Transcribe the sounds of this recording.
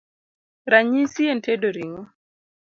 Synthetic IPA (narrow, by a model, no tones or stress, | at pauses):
ɾaɲisientʰedoɾiŋɔ